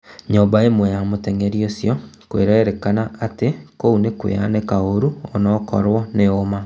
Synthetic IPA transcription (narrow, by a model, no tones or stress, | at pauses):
ɲobaemwɛjamotɛŋɡɛɾjosjɔkweɾaeɾɛkanaatekounekwḛa̰nekaoɾuɔnɔkɔ̰ɾwɔneoma